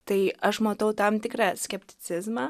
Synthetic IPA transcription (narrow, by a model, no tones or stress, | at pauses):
t̪ɐɪɐʃmɐt̪ɐʊt̪ɐmt̪ʲɪkɾɑːsʲkʲɛpʲt̪ʲɪ̥t͡s̪ʲɪzmɑː